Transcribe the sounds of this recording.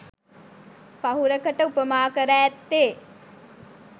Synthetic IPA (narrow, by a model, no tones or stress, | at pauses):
paɦuɾəkəʈəupəmaːkəɾæːt̪ːeː